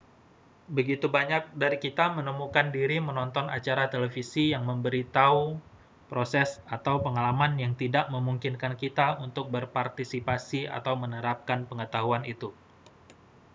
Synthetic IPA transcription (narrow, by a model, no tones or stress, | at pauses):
bəɡit̪ubaɲak̚daɾikit̪amənəmukandiɾimənɔnt̪ɔna̰t͡ʃaɾat̪əlefisijaŋməmbəɾit̪au | pɾosɛsat̪awpəŋalamanjaŋt̪idaʔməmuŋkinkankit̪aunt̪ʊk̚bərpart̪isipasia̰t̪awmənəɾap̚kanpəŋət̪aɦuanit̪u